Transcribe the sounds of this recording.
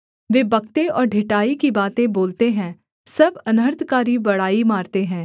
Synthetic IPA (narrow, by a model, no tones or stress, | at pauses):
ʋeːbɐkt̪eɔːɾɖʱɪʈaːikibaːt̪ẽboːlt̪eɦɛ̃ː | sɐbɐnəɾt̪ʰkaːɾibɐɽaːimaːɾt̪eɦɛ̃ː